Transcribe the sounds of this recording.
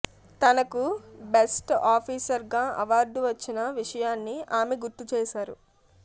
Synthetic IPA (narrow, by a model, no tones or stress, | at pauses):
t̪ɐnɐkubesʈaːpʰiːsɐɾɡaːʔɐʋaːɾɖʋɐt͡ʃːinɐʋiʂɐjaːnːiaːmeɡuɾt̪ːut͡ʃɛːʃaːɾu